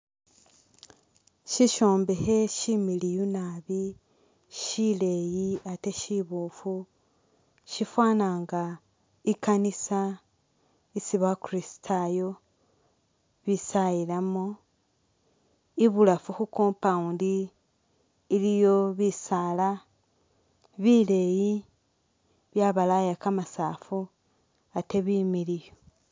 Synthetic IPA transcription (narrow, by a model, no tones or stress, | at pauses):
ʃiʃoːmbehe̞ʃimilijunaβi | ʃile̞jiate̞ʃiβufu | ʃifwaːnaːŋɡa | ikanisa | isiβakurisi̥tʰajo̞ | βisajilamo | iβulafuxukoːmpaundi | lijo̞βisala | βile̞ji | βjaβalajakamasaːfu | ateβimilijo